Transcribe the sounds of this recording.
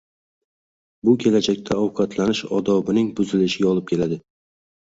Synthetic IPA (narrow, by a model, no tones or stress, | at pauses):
bʊkʲʰe̞lad͡ʒak̚ʲt̪ʰaɒwqʰɑt̪ʰlanɪʃɒd̪ɒbɪnɪŋbʊzɪlɪʃɪɡʲaɒlˠɪp̚kʲʰe̞lad̪ɪ